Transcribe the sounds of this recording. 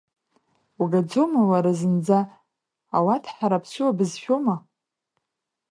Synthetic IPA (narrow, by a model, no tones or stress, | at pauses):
uɡad͡zomawaɾazɨnd͡za | awatʰħaɾapʰsʷɨwabɨzfʲoma